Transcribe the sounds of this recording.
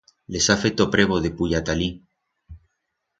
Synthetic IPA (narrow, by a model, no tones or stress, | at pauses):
lesafet̪opɾeβoðepuʎat̪ali